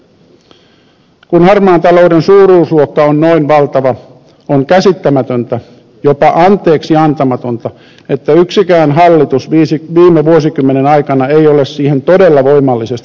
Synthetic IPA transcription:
kunhɑrmɑːnt̪ɑlo̞udensuːɾuːsluokːɑonnoinʋɑlt̪ɑʋɑ | oŋkæsit̪ːæmæt̪ønt̪æ | jopɑʔɑnt̪ˑe̞ːksiɑnt̪ɑmɑt̪o̞nt̪ɑ | e̞t̪ːæyksikæːnɦɑlːit̪usʋiːsʋiːmeʋuosikymːenenɑjkɑnɑejo̞le̞ssiːhe̞nt̪o̞de̞lːɑʋo̞jmɑlːise̞st̪i

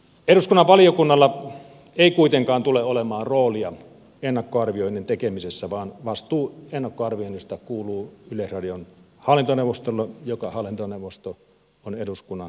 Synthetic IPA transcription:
eɾuskunːɑʋʋɑlijokunːɑlːɑ | eˑikuit̪eŋkɑːnt̪uleolemɑːnroːliɑ | enːɑkːoɑrʋioinːent̪ekemisesːæʋɑːnʋɑst̪uːenːɑkːoɑrʋioˑinːist̪ɑkuːluːylesrɑdion | hɑlːint̪oneuʋost̪olːɑjokɑhɑlːˑint̪onewʋːˑost̪o | oneduskunːɑn

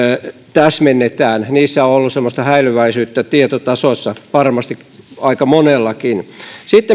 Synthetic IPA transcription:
t̪æsmenːet̪æːnniːsːæoolːussemːost̪ɑhæilyʋæisyːt̪ːæt̪iet̪ot̪ɑsosːɑʋɑrmɑst̪ik | ɑikɑmonelːɑkinsit̪ːe

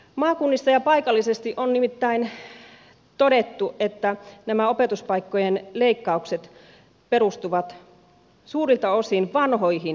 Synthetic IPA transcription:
mɑːkunːist̪ɑjɑpɑikɑlːisest̪iʔonnimit̪ːæin | t̪odet̪ːuʔet̪ːænæmæopet̪uspɑikːojenleikːɑukset̪ | perust̪uʋɑt̪ | suːrilt̪ɑosinʋɑnhoihin

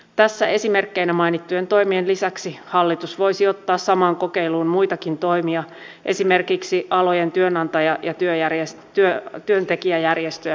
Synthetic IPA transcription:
t̪æsːæe̞sime̞rkːeinæmɑinit̪ːuje̞nt̪o̞jmienlisæksihɑlːit̪usʋo̞jsio̞t̪ːɑːssɑmɑːŋko̞ke̞iluːnmujt̪ɑkint̪o̞jmiɑ | ʔe̞̰sime̞rkiksiʔɑlo̞jent̪yønɑnt̪ɑjɑjɑt̪yøjæresyøt̪yønt̪e̞kiæjærjest̪øjæ

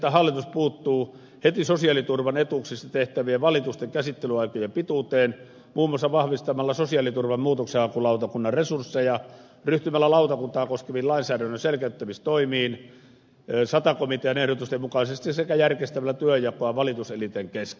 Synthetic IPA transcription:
t̪æhɑlːˑit̪uspuːt̪ːuː | het̪isosiɑlit̪urʋɑnet̪uksist̪ɑt̪eht̪æʋieʋɑlit̪ust̪eŋkæsit̪ːelyɑikojempit̪ut̪eːn | muːmːˑoɑsːɑʋɑhʋist̪ɑmɑlːɑsosiɑlit̪urʋɑmmuːt̪okseɑkulɑˑut̪ɑkunːɑrresursːejɑ | ryht̪ymælːælɑˑut̪ɑkunt̪ɑːkoskeʋiːllɑinsæːdænːønselkæyt̪ːæmist̪oimiːn | sɑt̪ɑkomit̪eɑnehɾot̪ust̪emmukɑisest̪isekæjærkest̪æmælːæt̪yøjɑkoɑʋɑlit̪uselit̪eŋkeske

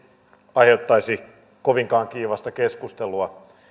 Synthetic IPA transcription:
ɑihet̪ːɑisi | koʋiŋkɑːŋkiːʋɑst̪ɑkeskust̪eluɑ

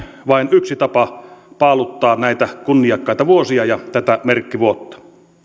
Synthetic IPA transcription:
ʋɑˑinyksit̪ɑpɑpɑˑlut̪ːɑːnæˑit̪ækunːijɑkːɑˑit̪ɑʋuosiɑjɑt̪æt̪æmerkːiʋuot̪ːɑ̥

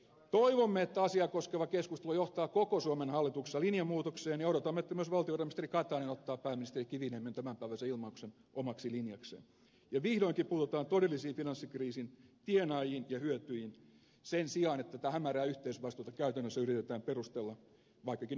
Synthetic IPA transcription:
t̪oiʋomːeet̪ːæɑsiɑkoskeʋɑkeskust̪elojoht̪ɑːkokosuomenhɑlːit̪ukse̥sːɑlinjɑmuːt̪okseːnjɑoɾot̪ɑmːet̪ːæmyøsʋɑlt̪ioʋɑrɑmist̪erikɑt̪ɑːnenot̪ːɑːppæːmːinist̪erikiʋineːmːent̪æmæmpæiʋæsæilmɑuksen | ʔomɑksilinjɑksḛːn | jɑʋihdoiŋkipuːt̪ot̪ɑːnt̪odelːisiːnfinɑnsːikriːsint̪ienɑjinjɑhyøt̪yiin | sensiɑːnet̪ːæt̪æhæmæræːyht̪eisʋɑist̪ut̪ɑkæyt̪ænːøsːæyrit̪et̪æːmperust̪elːɑ | ʋɑikːɑkin

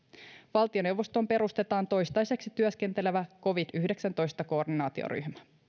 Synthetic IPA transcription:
ʋɑlt̪io̞ne̞wʋːo̞st̪o̞mpe̞ɾust̪e̞t̪ɑːnt̪o̞jst̪ɑjse̞ksit̪yøske̞nt̪e̞le̞ʋæko̞ʋid̪yhde̞ksænt̪o̞jst̪ɑko̞ːrdinɑːt̪io̰ɾy̰ɦmæ̥

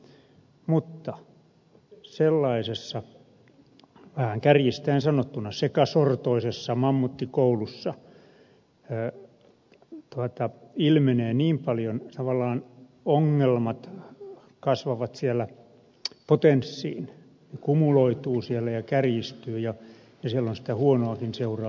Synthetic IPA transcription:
mut̪ːɑ | selːɑisesːɑ | ʋæhæŋkærjist̪æinsɑnot̪ːunɑsekɑsort̪oisesːɑmɑmːut̪ːikoulusːɑ | t̪uɑt̪ɑilmeneːniːmpɑljont̪ɑʋɑlːɑːn | oŋːelmɑt̪ | kɑsʋɑʋɑt̪siælːˑæ | pot̪ensːḭːn | nekumuloit̪uːsielːæjɑkærjist̪yːjɑ | jɑsielːonsi̥t̪æhuonoɑkinseurɑ

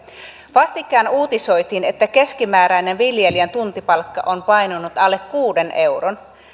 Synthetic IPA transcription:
ʋɑst̪ikːɑːnuːt̪iso̞jt̪iːne̞t̪ːæke̞skimæːɾæjne̞nʋiljelient̪unt̪ipɑlkːɑ̰ʔonpɑjnunːut̪ɑlːekkuːde̞nʔe̞wron

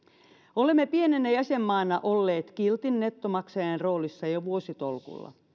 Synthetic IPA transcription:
olemːepienenːæjæsemːɑːnɑʔolːe̞ːt̪kilt̪inːet̪ːomɑksɑjɑnro̞ːlisːɑjoʋuosit̪olkṵlːɑ̰

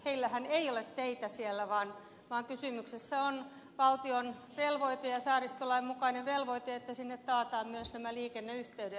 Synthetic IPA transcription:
heilːæhæneiolet̪t̪eit̪æsielːæʋɑːn | ʋɑːŋkysymyksesːæon | ʋɑlt̪ion | ʋelʋoit̪ejɑsɑːrist̪olɑimmukɑineʋʋelʋoit̪eet̪ːæsinːet̪t̪ɑːt̪ɑːmmyøsnæmæliːkenːeyht̪eyɾe

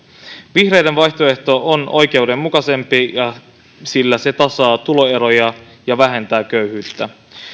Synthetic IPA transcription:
ʋihre̞jde̞nʋɑjçt̪oe̞ht̪o̞ʔonʔo̞jk̟e̞wde̞mːukɑse̞mpijɑ | silːæse̞t̪ɑsɑːt̪ulo̞e̞ɾo̞jɑ | jɑʋæɦe̞nt̪æːkøɥhyːt̪ːæ

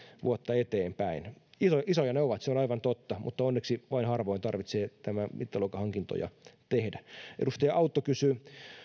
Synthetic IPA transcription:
ʋṵot̪ːɑet̪eːmpæinisoisojɑneoʋɑt̪seonɑiʋɑnt̪ot̪ːɑmṵt̪ːɑonːeksiʋɑinhɑrʋoint̪ɑrʋit̪seːt̪æmæmit̪ːælokɑhɑŋkint̪o̰jɑ̰t̪ehdæḛdust̪ejɑʔɑut̪ːokysy

